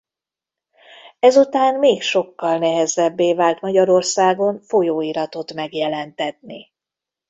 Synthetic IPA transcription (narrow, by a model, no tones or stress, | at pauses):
ɛzut̪aːnmeːkʃo̞kːɒlnɛɦɛzɛbːeːvaːlt̪mɒɟɒɾo̞rsaːɡo̞nfo̞joːiɾɒt̪o̞t̪mɛɡjɛlɛnt̪ɛt̪̚ni